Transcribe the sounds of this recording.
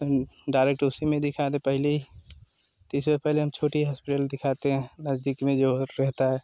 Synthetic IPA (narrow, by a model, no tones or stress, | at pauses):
ɖaːɾeːk̚ʈʊsimẽd̪ɪkʰat̪epɛɦle | t̪iɪsepɛɦleɦɐmt͡ʃʰoːʈiɦaːspɪʈəld̪ɪkʰaːt̪eɦɛ̃nɐzd̪ikmẽd͡ʒoɾɛɦt̪aɦɛː